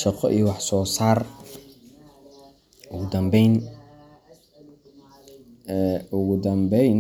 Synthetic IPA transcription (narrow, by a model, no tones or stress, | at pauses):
ʃɑqɔʔijwɑħsɔːsaːr | ʔʊɣʊd̪ɐmbɛjn | ɛʊɣʊd̪ɐmbɛjn